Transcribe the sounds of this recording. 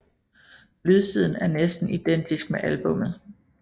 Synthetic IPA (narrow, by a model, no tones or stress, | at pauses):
lyð̞ˠsið̞̰ˠn̩æɐnesd̥n̩id̥en̰d̥isɡ̥̚meʔælb̥ɔ̽m̰ð̞̩ˠ